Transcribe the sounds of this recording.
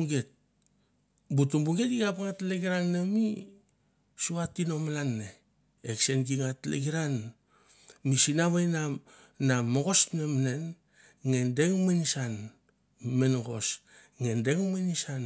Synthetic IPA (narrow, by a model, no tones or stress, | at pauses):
ɡet̚ | butumbuŋɡe̞tiɡapŋatleɡiɾanːemi | suatːino̞malanːe | eksenɡiŋatlḛɡiɾan | misinaβajna | namoɡo̞snemnen | ŋendeŋmenisan | menoɡo̞̰s | ŋendeŋmenisan